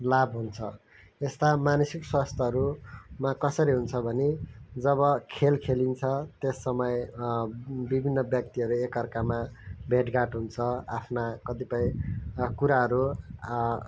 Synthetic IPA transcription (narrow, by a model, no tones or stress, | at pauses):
labʱɦunt͡sʰʌ | est̪amanʌsikswast̪ʰʌɦʌɾumakʌsʌɾiɦunt͡sʰʌbʱʌned͡zʌβʌkʰelkʰelint͡sʰʌt̪esːʌmʌj | bibʱinːʌbjʌk̚t̪iʌɾuekʌrkamabʱeʈɡaʈɦunt͡sʰʌapʰnakʌt̪ipʌj̃kuɾaɦʌɾu